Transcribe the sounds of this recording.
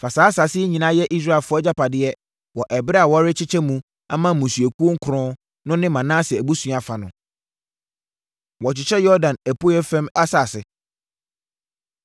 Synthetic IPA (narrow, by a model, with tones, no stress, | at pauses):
fa˨saː˨˦sa˨sɪ˦ɲĩ˨nã˦jɛ˦ʔi˦s̬ɾa˦˨lfʊ˨˦ɔ˦d͡ʑa˦pa˨dɪ˦ɛ˦ | wɔ˨ʔɛ˨bɾa˨wɔ˦ɾɪ˦t͡ɕʰɪ˦t͡ɕʰɛ˦mũ˦ | a˦mã˦˨mũ˨sɥe˨ku˦o˦ŋ̩˦kʰʊ˨ɾʊ̃˦ | nʊ̃˦nɪ̃˦mã˨nãː˦sɪ˨æ˨bu˦sũ˦a˨fa˨nʊ̃˨ | wɔ˨t͡ɕɪ˨t͡ɕʰɛ˦jɔ˦dã˨næ˨pʰo˦ɛ˦fɛ̃˦ma˦sa˨sɪ˨